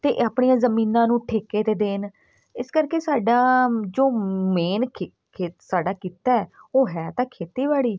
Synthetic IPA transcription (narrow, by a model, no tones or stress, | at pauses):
t̪ḛːʔaːpɳijãːzəmiːnãːnũːʈʰeːkeːt̪eːd̪eːn | ɪskəɾkeːsaːɖaːd͡ʒoːmeːnkʰ | kʰeːsaːɖaːkiːt̪aːɛːoːɦɛːt̪ãːkʰeːt̪iːʋaːɽiː